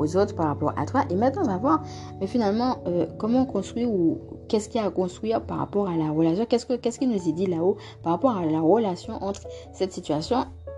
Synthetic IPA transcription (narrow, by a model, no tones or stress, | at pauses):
ozot̪χpaʁapɔ̰ʁa̰t̪waʔemɛ̃t̪nɑ̃ɔ̃vavwaʁ | mɛfinalmɑ̃økɔmɑ̃ɔ̃kɔ̃st̪χwɥiukɛskʲiakɔ̃st̪χɥiʁpaʁa̰pɔʁalaʁəlas̬jɔ̃kɛskəkɛskʲilnuzɛd̪ilao | paʁapɔʁalaʁəlasjɔ̃ʔɑ̃t̪χsɛt̪sit̪ɥasjɔ̃